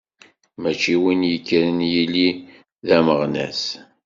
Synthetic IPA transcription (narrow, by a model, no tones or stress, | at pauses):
mæt͡ʃːiwinjəkːəɾənjili | ðæməʁnæ̰s